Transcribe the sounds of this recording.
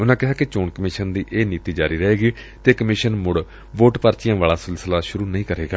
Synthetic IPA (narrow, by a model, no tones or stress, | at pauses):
ʊnãːkɪɦaːkɪt͡ʃoːɳkəmɪʃənd̪iːʔeːniːt̪iːd͡ʒaːɾiːɾəɦeːɡiː | t̪eːkəmɪʃənmʊɽ | ʋoːʈpəɾt͡ʃijãːʋaːlaːsɪlsəlaːʃʊɾuːnəɦĩːkəɾeːɡaː